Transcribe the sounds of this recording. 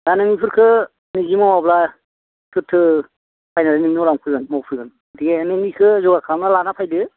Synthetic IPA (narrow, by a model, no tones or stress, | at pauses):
danɯŋipʰɯɾkʰɯ | nizimawabla | sʰɯtʰːɯ | pʰajnadanimnɔlamkʰɯɡɯnmawpʰɯɡɯn | diɡenenikʰɯzɔɡakʰamnalanapʰajdɯ